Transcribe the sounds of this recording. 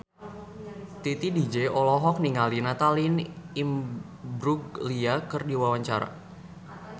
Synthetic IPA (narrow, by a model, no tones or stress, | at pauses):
t̪it̪idid͡ʒeɔlɔɦɔk̚niŋalinat̪alinim | bɾuɡliakərdiwawaɲt͡ʃaɾa̰